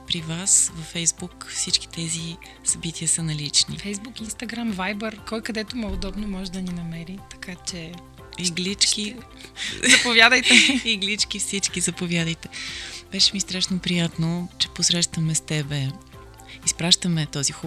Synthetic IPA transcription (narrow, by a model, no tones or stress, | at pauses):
pɾivasvɐfɛjzbukfsit͡ʃki̥t̪ɛzi | sɐbit̪ʰiəsənɐlit͡ʃnḭfɛjzbukinst̪ɐɡɾamvajbəɾkɔjkɐd̪ɛt̪ʊmɛʊd̪ɔbnomɔʒɛd̪ɐninɐmɛɾit̪ɐ̥kat͡ʃɛ | iɡlit͡ʃki | zɐpovjad̪əjt̪ɛiɡlit͡ʃk̟ifsit͡ʃkizɐpovjad̪əjt̪ɛb̥ɛʃɛmist̪ɾaʃnopɾijat̪not͡ʃɛposɾɛʃt̪vɐmɛst̪ɛbɛ | ispɾaʃt̪əmɛt̪ɔzixu